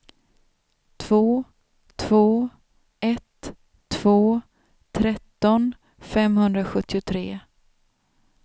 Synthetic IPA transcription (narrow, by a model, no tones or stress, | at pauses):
t̪ʰv̥oː | t̪ʰv̥oː | ɛt̪ʰː | v̥oː | t̪ʰɾɛt̪ːɔn | fɛmhɵnd̪ɾaɧɵt̪ʰːɪʊt̪ʰɾeː